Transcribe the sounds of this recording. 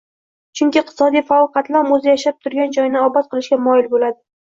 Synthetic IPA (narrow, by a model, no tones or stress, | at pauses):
t͡ʃʰʊŋʲkʲɪq̚t̪ʰɪ̥sɒd̪ijfaɒlˠqʰɑt̪laɾmozɪjaʃap̚t̪ʰʊɾɡʲand͡ʒɒjnɪɒbɒt̪̚qʰɨlˠɪʃkʲamɒjɪlbolad̪ɪ